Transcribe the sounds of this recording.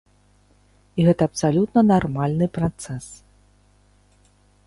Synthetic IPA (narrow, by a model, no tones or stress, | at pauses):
iɣɛt̪ɐːpsalʲut̪nɐnarmalʲnɨpɾat̪sɛs